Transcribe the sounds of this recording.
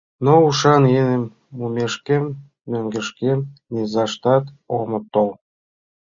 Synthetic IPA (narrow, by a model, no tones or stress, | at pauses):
nouʃɑnjenemː | umeʃkemː | øŋɡə̆ʃkemnezɑʃt̪ɑt̪ | omə̆t̪ːol